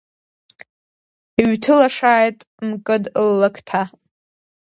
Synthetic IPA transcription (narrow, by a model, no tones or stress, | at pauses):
iɥtʰɨlaʂaːjtʼ | mkʼɨdlːɨkʰtʰa